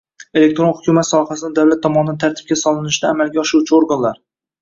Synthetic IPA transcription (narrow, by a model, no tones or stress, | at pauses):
e̞le̞k̚ʲt̪ɾo̞nhʊkʲʰumat̪sɒhasɪd̪ad̪awlat̪ʰːɒmɒnɪd̪ant̪ʰaɾt̪ʰɪ̥b̚kʲasɒlˠɪnɪʃd̪aːmalɡʲaɒʃɾuwt͡ʃʰɪoɾɡanlaɾ